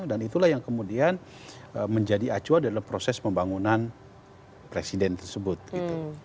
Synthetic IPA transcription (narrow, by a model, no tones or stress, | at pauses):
danit̪ulahjaŋkəmudian | əməɲd͡ʒadiat͡ʃuandaalampɾosɛspəmbaŋunan | pɾesidɛnt̪ərsəbʊt̪̚ɡ̥it̪u